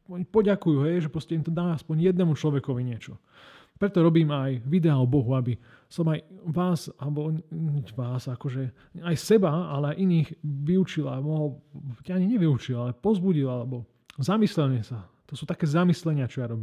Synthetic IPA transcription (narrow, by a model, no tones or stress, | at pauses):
pɔɟakujuɦɛjʒɛpɾɔscɛimt̪ɔd̪aːaspɔɲjɛd̪nɛːmut͡ʃlɔʋɛkɔʋiɲɪɛt͡ʃɔ | pɾɛt̪ɔɾɔbiːmajʋid̪ɛaɔbɔɦuabi | sɔmajʋaːsalɛbɔɲɲɛʋaːzakɔʒɛ | ajsɛbaalɛajʔiniːxʋiut͡ʃilamɔɦɔlcaaɲiɲɛʋiut͡ʃilˠalɛpɔzbuɟilalɛbɔ | zamislɛlɲɛsat̪ɔsuːt̪akɛːzamislɛɲɪat͡ʃɔjaɾɔbiːm